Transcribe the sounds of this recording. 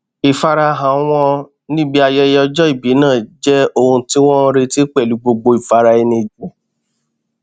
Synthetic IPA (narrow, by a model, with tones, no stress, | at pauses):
i˨fa˧ɾa˧ɦã˨˦w̃ɔ̃˧˦ | nĩ˦bi˦a˧jɛ˧˦jɔ˧d͡ʒɔ˦i˦˨bi˨˦nãː˦˨d͡ʒɛ˦o˦˧hũ˧ti˦w̃ɔ̃˦ɾe˧ti˦k͡pɛ˦˨lu˨˦ɡ͡bo˧ɡ͡bo˧i˨fa˧ɾa˧ɛ˧nĩ˧˨d͡ʒu˨˦